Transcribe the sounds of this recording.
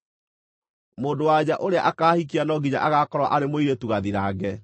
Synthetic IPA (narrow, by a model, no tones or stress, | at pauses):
moːdowad͡ʑaʔoɾea̰ʔakaːhik̬ianɔɡiɲa̰ʔaɣakɔɾwa̰ʔaɾemoiɾetuɣaðiɾaːɡɛ